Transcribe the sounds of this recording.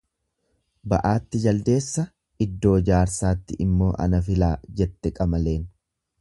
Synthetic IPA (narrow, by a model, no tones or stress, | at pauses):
bɐʔaːt̪ːɪd͡ʒɐld̪e̞ːsːɐ | ɪd̪ːo̞ːd͡ʒaːɾsaːt̪ːɪʔɪmːo̞ːʔɐ̰nɐfɪlaːd͡ʒɛt̪ːɛkʼɐmɐle̞ːn